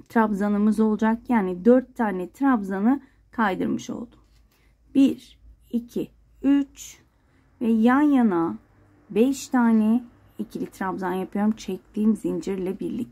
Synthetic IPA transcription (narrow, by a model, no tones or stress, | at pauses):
t̪ʰɾabzanɯmɯzo̞lˠud͡ʒakjaːnid̪øɾt̪ʰːaːnɛt̪ʰɾavzanɯ | kʰajd̪ɯɾmɯʃo̰lˠd̪ʊ̥ | b̥iɾː | cʰi | yt͡ʃ | vɛjanjana | bɛʃt̪ʰaːnɛ | icʰilʲit̪ʰɾabzanjapʰɯjo̞ɾumt͡ʃʰɛc̚t̪ʰiːmzind͡ʒiɾlʲɛbiɾlʲḭc̪̚ɛ